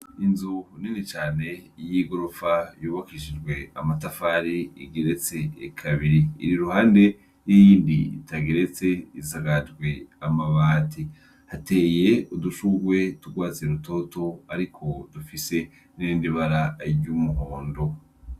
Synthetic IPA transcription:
inzuninit͡ʃaːne̞jiɡo̞ɾofajuːβakiʃid͡ʒɡwe̞a̰matafaːɾiiɡeɾe̞t͡se̞̰ːkʰaβiɾḭːɾiɾuhaːnde̞ | jijiːndiḭtaɡeɾe̞t͡se̞izaɡad͡ʒɡwe̞amaβaːtʰi | hate̞ːje̞uduʃuɡwe̞tuɡwaːt͡seɾutoto̞aɾikʰo̞dufise̞ | niindiβaɾaɾɟumuɦoːndo̞

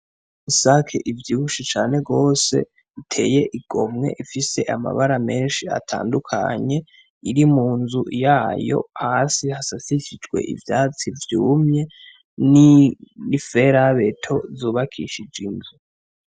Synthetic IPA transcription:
isakʰḛʔivjiːβuʃit͡ʃaːne̞ɡo̞ːse̞̰ | utʰe̞̰ːje̞ʔiɡ̥o̞mŋe̞̰ʔifise̞ʔama̰βaɾame̞ːnʃia̰tʰa̰ːndukʰa̰ɲe̞ | iɾimuːnzujaːjo̞̰hasihasasiçid͡ʒɡwe̞̰ʔḭvjaːt͡sivjuːmɲe | ninife̞ɾaβe̞tʰo̞zuːβakʰḭʃid͡ʒinzu

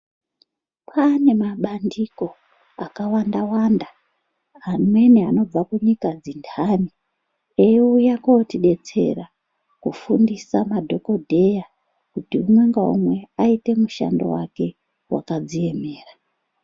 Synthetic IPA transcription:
pʰane̞maɓandiko̞ | akawandawanda | ane̞neano̞b͡vakuɲikad͡zindʰʱani | ejujakotiɗe̞t͡se̞̰ra | kufundisamadʱo̞ko̞dʱe̞ja | kutiumwe̞ŋɡaṵmwe̞aite̞muʃa̰ndo̰wa̰ke̞ | wʔa̰kad͡zie̞me̞ːra

